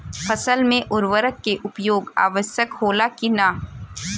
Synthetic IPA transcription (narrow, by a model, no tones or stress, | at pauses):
fɐsəlmẽʔʊɾʋəɾəkːeʔʊpjoːɡa̰ːʋəsjəkhoːlakina